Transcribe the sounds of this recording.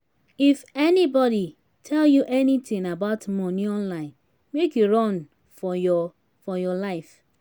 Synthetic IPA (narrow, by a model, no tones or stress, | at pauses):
ifɛnibɔɾi | tʰɛljuʔɛnitĩŋabaʊtmɔ̃niɔ̃nlãɪ̃n | mekjuɹɔ̃n | fɔjɔ | fɔjɔlaɪf